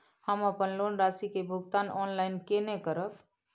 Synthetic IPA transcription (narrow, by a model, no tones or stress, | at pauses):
həməpənlonɾasikebʱuɡt̪anɔnlajnkenekəɾəp